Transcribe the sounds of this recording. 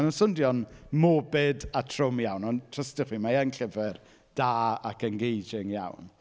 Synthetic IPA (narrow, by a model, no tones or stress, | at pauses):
nəsʊndjɔnmobɪdatʰr̥ʊmjawnɔntʰrəstɪχwiːmaɛnɬɪvɛr | d̥aːakənɡejd͡ʒɪŋja̰wn